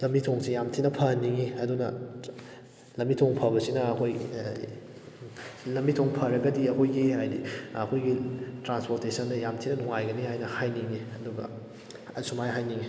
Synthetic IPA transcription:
lɐmitʰoŋsijamtʰinɐpʰɐnːiŋiɐdunɐ | lɐmːitʰoŋpʰɐbɐsinɐɐkʰoj | lɐmːitʰoŋpʰɐɾɐɡɐdiɐkʰojɡihajdiɐkʰojɡitɾanspoɾtesɐndɐjamtʰinɐnuŋajɡɐnihajnɐhajniŋiɐduɡɐ̰ | ɐsumajɦajniŋi

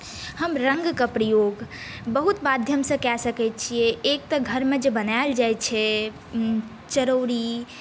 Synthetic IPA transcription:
həmɾəŋɡkəpɾəjoɡ | bəɦut̪mad̪ʱjəmsə̃kɛsəkɛt̪̚t͡ʃʰiɛek̚t̪əɡʱəɾmed͡ʒebənaeld͡ʒajt͡ʃʰɛ | t͡ʃəɾoɾi

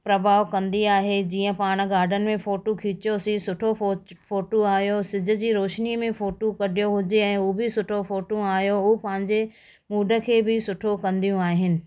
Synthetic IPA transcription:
pɾɐbʱaːʋkɐ̃nd̪iaːɦed͡ʑiːə̃paːɽ̃̆ɡaːɾɖʱənɪ̆mẽfoːʈokʰiːt͡ɕjosisʊʈʰofoːʈoaːɦijosɪd͡ʑʱʊ̆d͡ʑiːɾoːʃnimẽfoːʈokɐɖʱijoɦʊd͡ʑeɛ̃ːuːbɪsʊʈʰofoːʈõaːɦjoʊpɐ̃ɦɪ̃ɲd͡ʑe | muːɖʱə̆kʰeːbɪsʊʈʰokɐ̃nd̪ijũaːɦɪnɪ̆

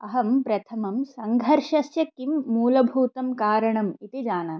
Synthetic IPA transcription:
ɐɦɐmpɾɐt̪ʰɐmɐmsɐŋɡʱɐɾʃɐsjɐkːimːuːlɐbʱuːt̪ɐmkaːɾɐɳɐmit̪id͡ʒaːnɐ

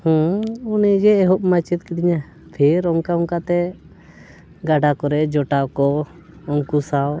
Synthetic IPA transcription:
hũunid͡ʒɛːɦɔʔ̚mat͡ʃit̪kɛd̪iɲa | pʰiɾɔŋkaɔŋkat̪ɛ | ɡaɖakɔɾɛd͡ʒɔʈawkɔ | ɔŋkusaw

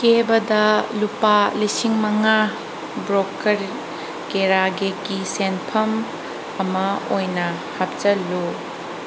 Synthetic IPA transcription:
kebɐdɐlupalisiŋmɐŋa | bɾokɐɾ | keɾaɡeɡisenpʰɐm | ɐmɐojnɐ | hap̚t͡ʃɐlu

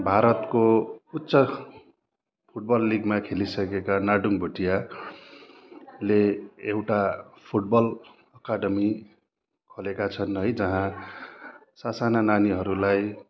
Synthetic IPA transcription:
bʱaɾʌt̪kout̪ːsʌ | pʰuʈ̚bʌlːiɡmakʰelisʌkekanaɖuŋbʱuʈija | leːwʈapʰuʈ̚bʌl | ʌkaɖʌmi | kʰolekat͡sʰʌnʌjd͡zʌɦã | sasanananiɦʌɾulaj

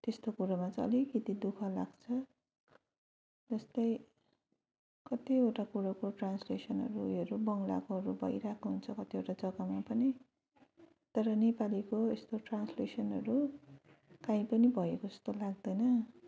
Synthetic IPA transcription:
t̪est̪okuɾamat͡sʌ̰likit̪id̪ukʰʌla̰ɡt͡sʰʌ | d͡zʌst̪ʌj | kʌt̪ioʈakuɾakoʈranslesʌnɦʌ̰ɾuʌɾubʌŋla̰koɦʌɾubʱʌ̰jɾakʰoɦunt͡sʰʌkʌt̪ioʈad͡zʌɡamapʌni | t̪ʌɾʌnepalikoest̪oʈranslesʌnɦʌɾu | kaĩpʌnibʱʌjekoʌ̥st̪olaɡ̚d̪ʌjnʌ

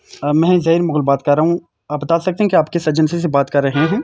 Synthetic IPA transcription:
mɛ̃ːzɐɦiːɾmʊɣlbaːt̪̚kɐɾːaɦũ | abɐt̪aːsɐk̚t̪eɦɛ̃kiaːpkesɐd͡ʒənsis̬ebaːt̪kɐɾːɐɦeɦɛ̃ː

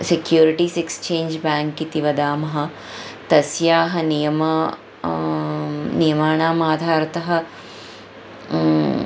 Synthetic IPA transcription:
sekjuːɾiʈiːsekst͡ʃeːnd͡ʒbaːŋkːit̪iʋɐd̪aːmɐɦɐ̆ | t̪ɐsjaːɦɐnijɐmɐ | nijɐmaːɳaːmaːd̪ʱaːɾɐt̪ɐɦɐ̆

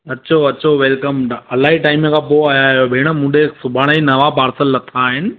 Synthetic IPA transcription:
ɐtːt͡ɕʰoɐɕʰoʋelkəmɐlaːɦiʈaːɪmkʰãpoaːjaɦjobʱɪːɽ̃əmũːdʱesʊbʱaːɽ̃inɐʋapaːɾsəlːɐt̪ʰaːɦɪnɪ̆

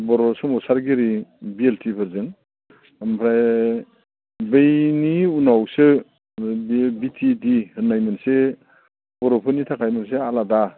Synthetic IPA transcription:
bɔɾɔsɔmɔsaɾɡiɾibieltʰipʰɯɾzɯŋ | mpʰɾaj | bejniunawsɯ | bitʰidihɯnajmɯnse | bɔɾɔpʰɯnitʰakʰajmɯnsealada

